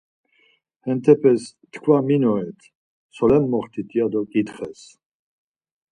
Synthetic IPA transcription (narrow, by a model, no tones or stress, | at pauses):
hɛnt̪ʰɛpʰɛs | t̪ʰkʰvaminɔɛt̪ʰ | sʰɔlɛmːɔχt̪ʰit̪ʼijad̪ɔkʼit̪χɛs